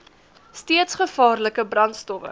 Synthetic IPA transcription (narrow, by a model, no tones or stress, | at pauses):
stiətsχəfɑːrləkəbrɐntstɔfə̰